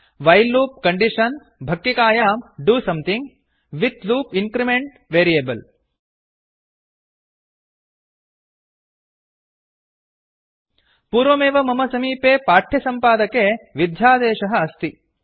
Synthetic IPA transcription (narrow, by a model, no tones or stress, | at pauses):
ʋɐjlːuːp̚kɐɳɖiʂɐn | bʱɐk̚t̪ikaːjaːmɖuːsɐ̃mt̪ʰĩŋɡ | ʋit̪luːpiŋkɾimẽɳʈ | ʋeːɾieːbɐl | puːɾʋɐmeːʋɐmɐmɐsɐmiːpeːpaːʈʰːjɐsɐmpaːd̪ɐkeʋid̪ʱjaːd̪eːʃɐɦɐɐst̪i